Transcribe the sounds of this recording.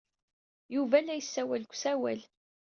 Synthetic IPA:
juvælːæjəsːæwælkʷsæwæl

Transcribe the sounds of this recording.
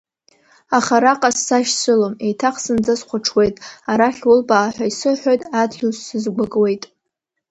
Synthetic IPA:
aχaɾaqʼasːaʃt͡sʷʰɨlome̞jtʰaχsɨnd͡zasqʷʊʈ͡ʂʰwe̞jtʼaɾaχʲwʊlbaːħʷᶣaisɨħʷᶣojtʼadɡʲɪzːɨzɡʷaɡʼwe̞jtʼ

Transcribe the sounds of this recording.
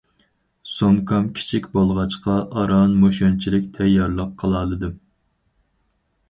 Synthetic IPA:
somkʰɑmkʲʰi̥t͡ʃʰikʲbolˠʁɑt͡ʃqɑʔɑɾɑnmoʃont͡ʃʰilɪkʲt̪ʰɛjːɑɾlˠəqʰːəlˠɑːlˠɨd̪ɨ

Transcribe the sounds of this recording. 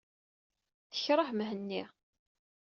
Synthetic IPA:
θəçɾˤəħmɦənːi

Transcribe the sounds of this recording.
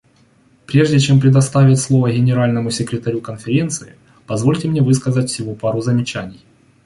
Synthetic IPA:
pɾʲe̞ʐdʲɪt͡ɕe̞mpɾʲɪd̪ɐst̪avʲɪtʲslˠo̞vəɡʲɪnʲɪɾalʲnəmʊsʲɪkɾʲɪt̪ɐɾʲukənfʲɪɾʲe̞nt̪sɨɪ̰ | pɐzvo̞lʲtʲɪmnʲevɨskəzətʲfsʲɪvopaɾʊzəmʲɪt͡ɕænʲɪj

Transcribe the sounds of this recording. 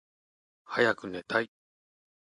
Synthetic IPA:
hajakɯ̟ne̞t̪ai

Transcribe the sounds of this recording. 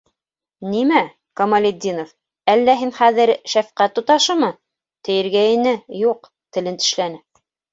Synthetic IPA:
nimæ | komɐlʲed̪ʲːinof | ælːæɦinχæðɘɾʃæfqæt̪ːŏt̪ɑʃɤmɤ | t̪ɘ̆jɘ̆ɾɡæĭnɘjuq | t̪ɘ̆lɘnt̪ɘ̆ʃlænɘ

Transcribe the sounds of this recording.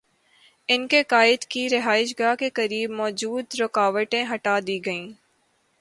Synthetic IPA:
ɪnkekaːɪd̪kiɾɪɦaːɪʃɡaːkekɐɾiːbmɔːd͡ʒuːd̪ɾʊkaːʋəʈẽɦɐʈad̪iːɡɐĩː

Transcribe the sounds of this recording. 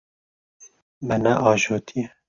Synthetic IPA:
mɛnɛʔɑːʒoːt̪ʰiɛ

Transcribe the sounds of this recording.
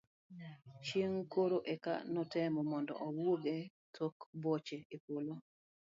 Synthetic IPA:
t͡ʃieŋkoɾoʔeka̰nɔtɛmɔmɔndɔ̰ʔɔwwoɡe | tʰokbɔt͡ʃeepolo

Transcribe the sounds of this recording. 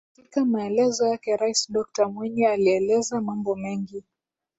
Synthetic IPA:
katikamaɛlɛzɔjakɛɾaisɗɔk̚tamwiɲialiɛlɛzamambɔmɛŋɡi

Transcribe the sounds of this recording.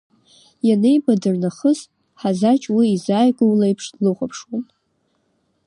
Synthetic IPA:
janejbadɨrnaχəz | ħazat͡ʃʼwiːzaːjɡʷʼʊwlajpʰʂlɨχʷapʰʂwan

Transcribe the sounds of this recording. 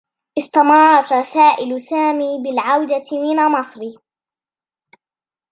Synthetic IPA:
ʔɪst̪ɑmɑrˤːɑt̪ɾˤɑsaːʔɪlsaːmiːbɪlʕawd̪amɪnamɑsˤɾiː

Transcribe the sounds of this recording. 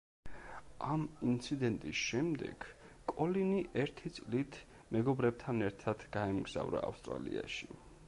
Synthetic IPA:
ʔamint̪sʰid̪ɛnt̪ʼisʃɛmd̪ɛ̰ɡ̥ | kʼɔliniʔɛɾt̪ʰit̪sʼlit̪ʰ | mɛɡɔbɾɛb̚t̪ʰanɛɾt̪ʰad̪̥ɡ̥aɛmɡz̥a̰vɾa̰ːfst̪ʼɾalḭaʃi

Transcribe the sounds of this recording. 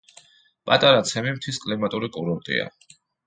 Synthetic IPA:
pʼat̪ʼaɾat̪sʰɛmimt̪ʰiskʼlimat̪ʼuɾikʼuɾɔɾt̪ʼḭa̰

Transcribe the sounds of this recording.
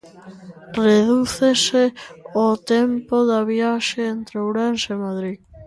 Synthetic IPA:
reðuθeseot̪empoðaβiaʃeent̪ɾowɾanʃemaðɾið

